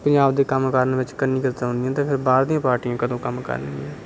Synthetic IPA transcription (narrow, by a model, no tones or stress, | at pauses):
pə̃ɲd͡ʒaːbd̪eːkəmkəɾnʋɪt͡ʃkənːiːkəɾt̪ãɦʊ̃nd̪ijãːt̪eːpʰɪɾbaːɾd̪ĩjãːpaːɾʈiãːkəd̪õːkəmkə̰ɾniãː